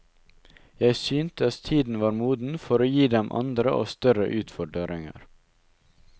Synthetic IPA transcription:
jæɪsyːnt̪əɑt̪t̪ʰiːd̪n̩ʋɑːɾmuːd̪n̩fɔɾoːjiːd̪ɛmʔɑ̰nd̪ɾəʔo̰ːst̪œɾə̰ʔʉːt̪fɔɖəɾɪŋə̰ɾ

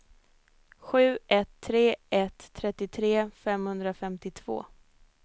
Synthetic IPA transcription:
ɧʉ̟ːʔɛt̪ʰːɾeːɛt̪ʰːɾɛt̪ːɪt̪ʰɾeːfɛmhɵnd̪ɾafɛmt̪ɪt̪ʰv̥o̰ː

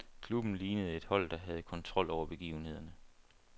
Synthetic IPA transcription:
kʰlub̥n̩liːnəð̞̩ˠe̝d̥hɒ̽l̰d̥ɑ̈ɦæð̞ˠkʰɒ̽nt͡sʰʁɒ̽l̰ɒʊ̰ɐb̥e̝ɡ̥ḭːʊn̩he̝ð̞̰ˠɐnə

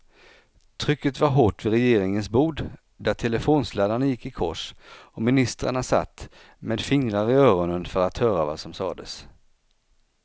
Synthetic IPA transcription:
t̪ʰɾʏkːət̪vaɾɦoːʈvɪɾɛjeːɾɪŋənsbuːd̪ | d̪æʈʰɛləfoːnslɛːd̪aɳajɪkːɪkʰɔ̰ʂɔmɪnɪst̪ɾa̰ɳasa̰t̪ː | meːd̪fɪŋɾaɾɪœːɾɔnənfœɾat̪hœːɾavasɔmsɑ̰ːd̪əs

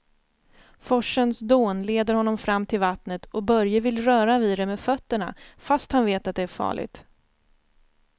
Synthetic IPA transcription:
fɔʂːənsd̪oːnleːd̪əɾhɔnːɔmfɾamːt̪ʰɪlvat̪nət̪ʰɔbœɾjəvɪlːɾœːɾaviːɾɛmeːd̪fœt̪ːəɳa̰fast̪hanveːt̪at̪̚d̪ɛæɾfɑ̰ːɭɪ̰ɡ̚t̪

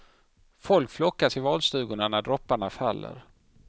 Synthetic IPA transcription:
fɔlkflɔkːasɪvɑːlst̪ʉ̟ːɡʊɳanæɖɾɔpːaɳafalːə̰ɾ

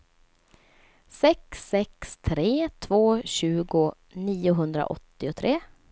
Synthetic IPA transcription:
sɛksːɛkst̪ʰɾeːt̪ʰvoːɕʉ̟ːɡʊ | niːʊɦɵnd̪ɾa̰ʔɔ̰t̪ːɪʊt̪ʰɾeː

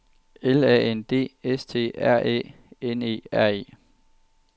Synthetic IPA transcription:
elɛ̰ːend̥e̝̰ːest͡sʰe̝̰ːæɐ̰ḛː | ene̝̰ːæɐ̰e̝̰ː

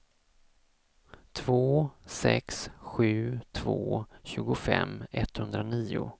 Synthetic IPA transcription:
t̪ʰvoːsɛksɧʉ̟ːt̪ʰvo̰ːɕʉ̟ːɡʊfɛmːɛt̪hɵnd̪ɾaniːʊ

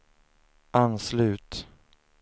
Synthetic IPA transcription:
ʔanslʉ̟ːt̪

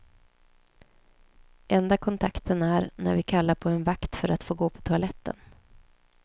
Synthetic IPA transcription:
ʔɛnd̪akʰɔnt̪ʰakt̪ʰənæɾnæ̰ɾvɪkʰalːaɾpʰɔɛnvakt̪fœɾat̪foːɡoːpʰɔ̥t̪ʰʊalɛt̪ʰːə̰n

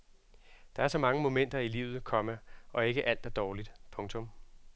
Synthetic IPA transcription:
d̥ɑ̈æɐsɒ̽mɑ̈ŋəmo̝men̰d̥ɐilḭːʊ̰ð̞̩ˠkʰɒ̽məʔɒ̽e̝ɡ̥əʔæl̰d̥æɐd̥ɒːlid̥pʰɔ̽ŋt͡sʰɔ̽m

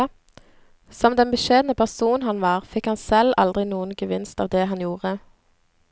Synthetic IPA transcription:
sɔmd̪ɛnbəʃeːd̪nəpʰæʁsuːn̩hɑnʋɑːʁfɪkhɑnsɛlɑ̰ld̪ʁɪnuːənɡəʋɪnst̪ɑ̰ːʋd̪ɛːɦɑnjuːʁə

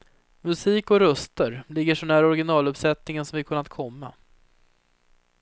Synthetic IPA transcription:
mɵsiːkɔɾœst̪əɾlɪɡːəʂɔɳæːɾɔɾɡɪnɑːlɵpsɛt̪nɪŋənsɔmvɪaɾkʰɵnːat̪̚kʰɔmːa̰

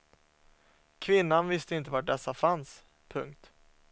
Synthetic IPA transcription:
kʰvɪnːanvɪst̪əɪnt̪əvaʈ̚ɖɛsːafans | pʰɵŋk̚t̪

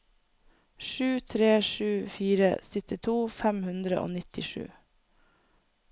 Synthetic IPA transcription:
ʃʉːt̪ʰɾeːʃʉːfiːɾə̰sʏt̪ɪt̪ʰuːfæmhʉnd̪ɾəʔo̰ːnɪt̪ɪʃʉ̰ː

